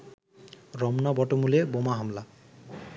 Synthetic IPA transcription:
ɹɔmnɔbɔʈomulebomaɦamla

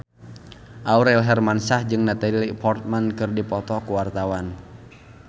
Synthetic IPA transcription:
ʔauɾɛlɦɛrmansahd͡ʒɨŋnat̪ailipɔrt̪̚mankɨrdipɔt̪ɔkuwart̪awan

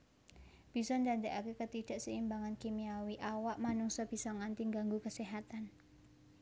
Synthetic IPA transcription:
b̥i̤sɔnd̪ant̪ekakekət̪iɖ̥a̤ʔsəimbaŋankimiawiʔawaʔmanuŋsɔb̥i̤sɔŋant̪iŋɡaŋɡukəseɦat̪an

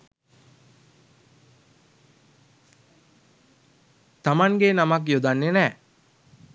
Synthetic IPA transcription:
t̪amaŋɡenamak̬jod̪anːenɛː

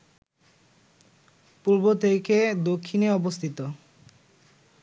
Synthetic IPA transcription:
puɾbot̪ʰeked̪okʰːineɔbost̪ʰit̪o

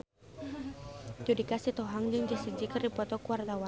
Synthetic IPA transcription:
d͡ʒudikasit̪ɔɦaŋd͡ʒɨŋd͡ʒasəd͡ʒikərdipɔt̪ɔkuwart̪awa

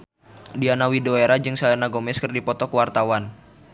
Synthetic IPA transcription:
dianawidoeɾad͡ʒɨŋsalɛnaɡɔmɛskɨrdipɔt̪ɔkuwart̪awan

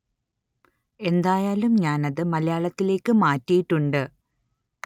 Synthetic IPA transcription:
e̞nd̪aːjaːlumɲaːnɐðɨmɐlɐjaːɭɐt̪ːile̞ːkːɨmaːtːijiʈːuɳɖɨ

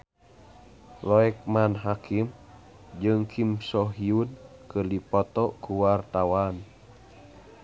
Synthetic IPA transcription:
lɔɛk̚manɦakʰim | d͡ʒɨŋkʰimsɔɦiunkɨrdipɔt̪ɔkuwart̪awan

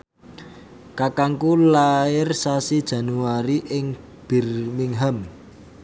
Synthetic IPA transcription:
kakaŋkulaɪrsasid̥ʒ̥ä̤nuaɾiʔɪŋ | b̥i̤rmiŋɦam

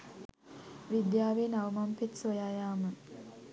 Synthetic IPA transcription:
ʋid̪jaːʋeːnaʋəmampet̪sojaːjaːmə

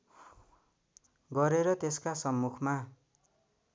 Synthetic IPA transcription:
ɡʌɾeɾʌt̪eskasʌmːukʰma

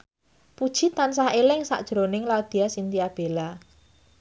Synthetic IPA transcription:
pud̥ʒ̥i̤t̪ansaɦelɪŋsa̰ʔd̥ʒ̥ɾonɪŋlaud̪̥iasint̪iab̥e̤la

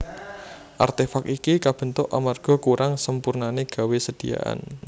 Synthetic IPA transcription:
ʔa̰rt̪efakikikab̥ə̤nt̪ʊʔa̰marɡ̥ɔ̤kuɾaŋsəmpurnaneɡ̥a̤wesəd̥i̤ja̰ʔa̰n

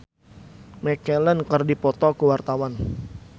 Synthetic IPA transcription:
mɛkɛlɛnkərdipɔt̪ɔkuwart̪awan

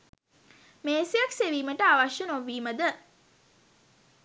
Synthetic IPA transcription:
meːsijakseʋiːməʈəaʋaʃjənoʋːiːməd̪ə

